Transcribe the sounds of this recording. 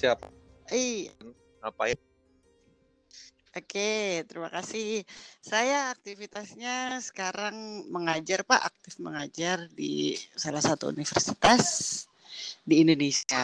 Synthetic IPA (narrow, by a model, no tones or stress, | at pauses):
ap̚i | apaɪ | ʔoket̪əɾimakasɪhsajaːk̚t̪ifit̪asɲasə̥kaɾaŋməŋad͡ʒarpaʔak̚t̪ɪfməŋad͡ʒardḭsalahsat̪ṵṵnifərsit̪as | diːndonesia